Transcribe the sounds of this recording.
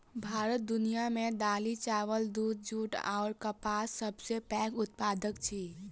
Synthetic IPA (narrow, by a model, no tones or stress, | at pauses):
bʱaɾət̪̚d̪unijamed̪alit͡ʃaʋəld̪ud̪̚d͡ʒuʈa̰ʊɾkəpasəbsepɛ̃kʊt̪̚pad̪əkt͡ʃʰi